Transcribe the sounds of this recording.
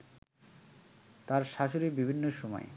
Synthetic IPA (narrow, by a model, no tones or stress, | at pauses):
t̪aɾʃaʃoɾibibʱinːoʃɔmɔ̰e